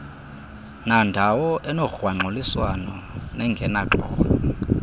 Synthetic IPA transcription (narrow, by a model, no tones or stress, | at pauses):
nandʱawɔʔɛnɔxwaŋ͡ǃʱoliswanɔnɛŋɡʱɛnaǃɔ̰ːɓɔɔ